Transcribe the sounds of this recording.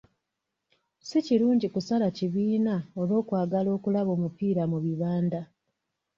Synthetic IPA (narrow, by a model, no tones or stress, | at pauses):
siciɾuːɲɟikusalaciβiːnao̞lo̞ːkwaːɡalo̞ːkulaβo̞ːmupiːɾamuβiβaːnda